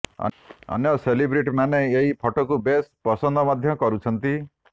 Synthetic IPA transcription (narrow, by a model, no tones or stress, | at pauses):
ɔ̰ɔ̰njɔselibɾiʈmaneeɦipʰɔʈɔkubest̪̚pɔsɔnd̪ʱɔmad̪ʱjɔkɔɾut͡ʃʰɔnt̪i